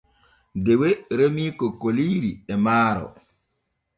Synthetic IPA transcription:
deweɾemiːkɔkoliːɾiɛmaːɾɔ̰

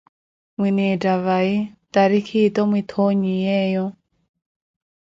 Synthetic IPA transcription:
mwinɛdaβait̪aɾikʰitɔmwit̪ʰoɲijɛːjɔ

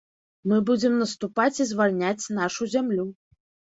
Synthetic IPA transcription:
mɨbud͡zʲɛmnɐst̪upat͡sʲizvalʲnʲat͡sʲn̪aʂuzʲamlʲu

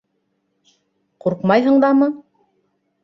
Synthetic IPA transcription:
quɾqmɑjɦɤ̆ɴd̪ɑmɤ

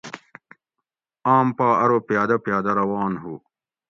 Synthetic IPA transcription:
aːmpaːʔɐɾopijaːd̪ɐpjaːd̪ɐɾɐwaːnɦu

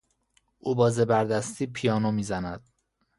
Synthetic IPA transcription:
ʔuːbɒːzebæɾd̪æst̪iːpʰijɒːnomiːzænæd̪̥̚

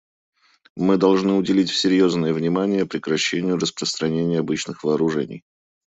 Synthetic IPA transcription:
mɨd̪ɐlˠʐnɨʊdʲɪlʲitʲfsʲɪɾʲjo̞znəjəvnʲɪmanʲɪjəpɾʲɪkɾɐɕːenʲɪjʊɾəspɾəst̪ɾɐnʲenʲɪjɐbɨt͡ɕnɨxvəːɾʊʐɛ̰nʲɪ̰j

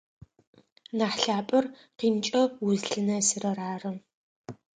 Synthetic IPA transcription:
naːħɬaːpʼɐr | qiːmt͡ʃʼɐwʊzɮɨnɐsɨrɐraːrɨm

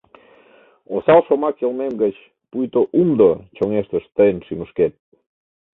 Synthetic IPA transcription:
osalˠʃomakelˠmemɡət͡ʃ | pujt̪oʔumd̪ot͡ʃoŋeʃt̪əʃt̪əjnʃimuʃket̪̚

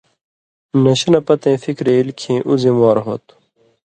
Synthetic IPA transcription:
nɐɕɐnɐpɐt̪ẽːfikɾeːilkʰĩːʔuzĩmaːɾɦoːt̪

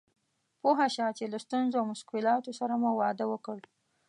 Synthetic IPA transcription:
poɦaʃɑt͡ʃelast̪unzoawmʊʃkɪlɑt̪osaɾamuwɑd̪əwəkəɽ

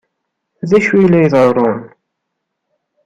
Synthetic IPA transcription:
ðæʃijlːæjðˤəɾˤʊn

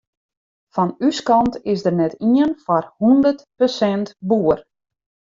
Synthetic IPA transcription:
fɔnyskɑntɪsdərnɛtiənfɔrhundərtpəsɛntbuər

